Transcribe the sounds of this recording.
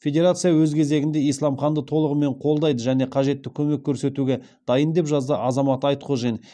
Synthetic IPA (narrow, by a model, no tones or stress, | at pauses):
fʲe̞dʲe̞ɾat̪sɨjawɵzkʲʰe̞ze̞ɡʲɪnd̪e̞ijslˠɑmχɑnd̪ət̪ʰo̞lˠəʁəme̞ɴqʰo̞lˠd̪ɑjd̪əʒæne̞qʰɑʒe̞t̪ːɪkʲʰɵme̞kʲʰːɵɾse̞t̪uɡʲe̞ | d̪̥ɑjənd̪e̞pʒɑzd̪əʔɑzɑmɑt̪ɑjt̪qʰoʒen